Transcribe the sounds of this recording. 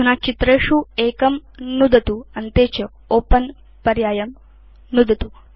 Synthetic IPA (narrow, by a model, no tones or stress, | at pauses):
ɦunat͡ʃit̪ɾeːʃueːkɐmnud̪ʱɐt̪uɐnt̪eːt͡ʃɐ | oːpɐn | pɐɾjaːjɐm | nud̪ʱɐt̪u